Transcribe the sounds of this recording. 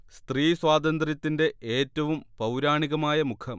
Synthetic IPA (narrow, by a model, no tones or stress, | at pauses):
st̪riːswaːd̪ɐnd̪rjɐt̪ːinde̞eːtːɐʋumpɐwɾaːɳiɣɐmaːjɐmukʰɐm